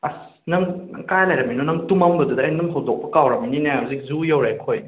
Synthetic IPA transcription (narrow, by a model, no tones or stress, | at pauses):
ɐs | nɐŋɐŋkajlajɾɐmijnonɐŋtumɐmbɐdudɐːjnumɦɐwdok̚pɐkawɾɐmininajɦɐwzik̚zujɐwɾekʰoj